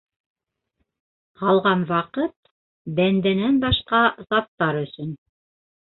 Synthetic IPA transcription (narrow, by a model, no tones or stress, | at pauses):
hɑlˠʁɑnwɑqɤt̪̚ | bænd̪ænænbɑʃqɑzɑt̪ːɑɾɵ̆sɵn